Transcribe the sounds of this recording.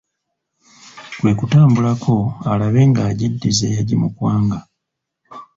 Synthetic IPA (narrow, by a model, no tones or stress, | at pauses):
kwe̞ːkutaːmbulakʰo̞alaβe̞ːŋɡaːɟidːizejaɟimukwaːŋɡa